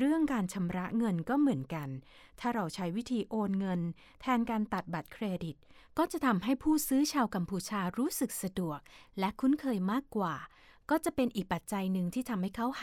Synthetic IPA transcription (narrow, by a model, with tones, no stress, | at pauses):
ɾɯ˥˩əŋkaː˧nt͡ɕʰa˧mɾa˦˥ʔŋɤ˧nkɔː˥˩mɯ˩˦ənka˧n | t̪ʰaː˥˩ɾa˧wt͡ɕʰa˦˥jwi˦˥t̪ʰiː˧ʔoː˧nŋɤ˧n | t̪ʰɛː˧nkaː˧nt̪a˨˩t̪̚ba˨˩t̪̚kʰɾeː˧di˨˩t̪̚ | kɔː˥˩t͡ɕa˨˩ʔt̪ʰa˧mɦa˥˩jpʰuː˥˩sɯː˦˥t͡ɕʰaː˧wka˧mpʰuː˧t͡ɕʰaː˧ɾuː˦˥sɯ˨˩k̚sa˧du˨˩ək̚lɛ˦˥kʰu˦˥nkʰɤː˧jmaː˥˩kːwaː˨˩ | kɔː˥˩t͡ɕa˨˩pe˧nʔiː˨˩k̚pa˨˩t̪̚t͡ɕa˧jnɯ˨˩ŋt̪ʰiː˥˩t̪ʰa˧mha˥˩jkʰa˦˥w